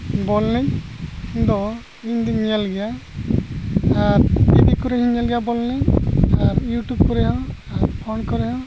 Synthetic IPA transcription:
bɔlnɛɲɲd̪ɔ | iɲd̪iɲɲalɡɛja | aɾbiɖikuɾɛɦiɲalɡɛjabɔlnɛɲaɾjuʈub̚kɔɾɛɦɔ̃aɾpʰɔnkɔɾɛɦɔ̃

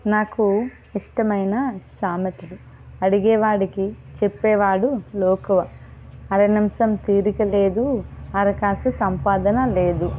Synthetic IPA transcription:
naːku | iʂʈɐmɐjnɐsaːmɐt̪ilu | ɐɽiɡɛːʋaːɽiki | t͡ʃepːɛːʋaːɽuloːkɐʋɐɐɾɐnimsɐmt̪iːɾikɐle̞ːd̪uɐɾɐkaːsusɐmpaːd̪ɐnɐleːd̪u

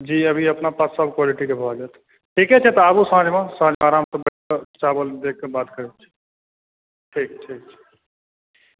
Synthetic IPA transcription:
d͡ʒiːəbʱiɐpnapaːsəbkwaːliʈikebʱəad͡ʒaːt̪ʰ | ʈʰikɦɛt͡ʃʰɛt̪ɔabusãːd͡ʒmãsãːd͡ʒmaːɾaːmt̪obəket͡ʃaːbəld̪ek̚ʰːebaːt̪kəɾet͡ʃʰi̥ | ʈʰiːk̚ʈʰiːk̚t͡ʃʰɛ̥

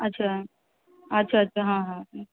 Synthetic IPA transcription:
ɐtːɕʰa | ɐtːɕʰaɐtːɕʰaɦãɦãɦã

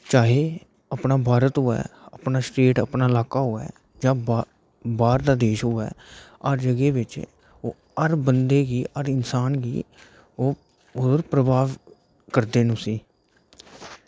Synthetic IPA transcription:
t͡ʃaːɦeː | əpnaːbʱaːɾət̪ɦʊɛ̰ːəpnaːsʈeːʈə̰pnaːɪlaːkaːɦʊɛ̰ː | d͡ʒãː | baːɾd̪aːd̪eːʃɦʊɛ̰ːəɾd͡ʒəɡeːbɪt͡ʃ | oː | əɾbənd̪eːɡiːʔəɾɪnsaːnɡḭː | oː | ʊd̪əɾpɾəbaːʋ | kəɾd̪eːnũːsiː

